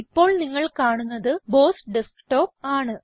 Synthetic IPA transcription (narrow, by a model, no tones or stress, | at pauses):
ipːo̞ːɭniŋːɐɭkaːɳunːɐðɨbo̞ːsɖeskʈo̞ːp̚aːɳɨ